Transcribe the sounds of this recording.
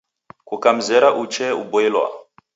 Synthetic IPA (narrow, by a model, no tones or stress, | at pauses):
kukam̩zɛɾaʔut͡ʃɛubɔɛlwa̰